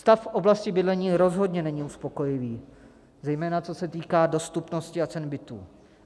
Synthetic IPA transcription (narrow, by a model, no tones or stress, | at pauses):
st̪affʔo̞blascɪbɪdlɛɲiːɾo̞zɦo̞dɲɛnɛɲiuspo̞ko̞jɪviː | zɛjmɛːnat͡so̞sɛt̪iːkaːdo̞st̪upno̞scɪat͡sɛnbɪt̪ṵː